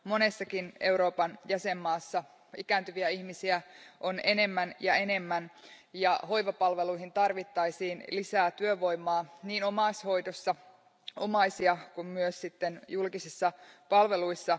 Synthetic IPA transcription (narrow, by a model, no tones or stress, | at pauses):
mo̞ne̞sːɑkine̞uɾo̞ːpɑnjæse̞mːɑːsːɑ | ikæːnt̪yʋiæihmisiæʔo̞ne̞ne̞mːænjɑe̞ne̞mːænjɑho̞iʋɑpɑlʋe̞luiɦint̪ɑrʋit̪ːɑisiːnlisæːt̪yøʋo̞imːˑɑːniːno̞mɑsho̞jdosːɑ | o̰mɑisiɑkummyøssit̪ːenjulkisisːɑpɑlʋe̞luisːɑ